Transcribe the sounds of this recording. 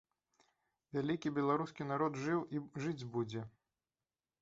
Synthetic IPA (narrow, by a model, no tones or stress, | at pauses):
vʲalʲikʲibʲɛlˠaɾuskʲinaɾɔd̪ʐɨwiʐɨd͡zʲbud͡zʲɛ